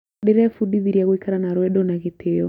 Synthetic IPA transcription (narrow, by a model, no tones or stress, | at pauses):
deɾɛfudiβiɾjaɣwikaɾanaɾwɛɗonaɣetʰejɔ